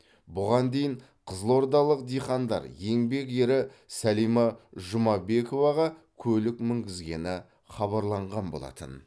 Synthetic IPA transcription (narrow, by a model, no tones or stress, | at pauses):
bʊʁɑnd̪e̞jɪɴ | qʰəzəlˠo̞ɾd̪ɑlˠəq̚d̪ijχɑnd̪ɑ̰ɾje̞ŋbe̞ke̞ɾɪsælijmɑʒʊmɑbe̞ko̞vɑʁɑkʲʰɵlɪkmɪŋɡʲɪzɡʲe̞nɪ | χɑβɑɾlˠɑɴʁɑnbolˠɑ̰t̪ə̰n